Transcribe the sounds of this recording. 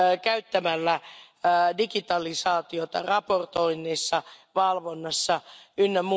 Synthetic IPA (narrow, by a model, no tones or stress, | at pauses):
kæyt̪ːæmælːæ | dikit̪ɑlisɑːt̪iot̪ɑ̰rɑport̪oinːeːsːɑʋɑlʋonːɑsːɑynːemu